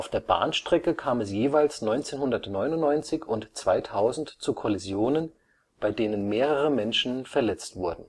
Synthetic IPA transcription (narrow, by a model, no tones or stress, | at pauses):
ʔaʊfd̥eːɐba̰ːnʃtʁ̥ɛkəkʰaːmɛsjeːvaɪlsnɔʏnt͡seːnhʊndɐtnɔʏnʊnnɔʏnt͡sɪçʊntt͡sv̥aɪtʰaʊzn̩tt͡sukʰɔlizjoːnən | b̥aɪdeːnənmeːʁəʁəmɛnʃn̩fɛɐlɛt͡stv̥ʊɐdn̩